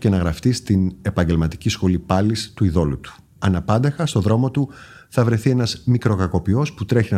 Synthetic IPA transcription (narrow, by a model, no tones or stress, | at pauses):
ce̞nɐɣɾɐft̪ist̪ine̞pɐɲɟe̞lmɐt̪i̥cisxo̞lipɐlist̪uiðo̞lut̪u̥ | ɐnɐpɐnd̪ɐxɐst̪o̞ðɾo̞mo̞t̪u | θɐvɾe̞θie̞nɐzmikɾo̞kɐko̞pio̞sput̪ɾe̞çinɐ